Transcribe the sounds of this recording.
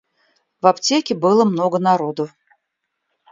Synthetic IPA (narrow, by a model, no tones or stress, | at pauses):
vɐptʲekʲɪbɨlˠəmnoɡənaɾod̪ə